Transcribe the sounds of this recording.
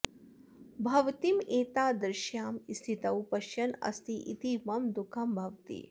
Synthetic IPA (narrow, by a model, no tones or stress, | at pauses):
bʱɐʋt̪imeːt̪aːd̪ɾɪʃjaːmist̪ʰit̪ɐwpɐʃjɐnɐ̰st̪iʔit̪imɐmd̪ukʰɐmbʱɐʋt̪ḭː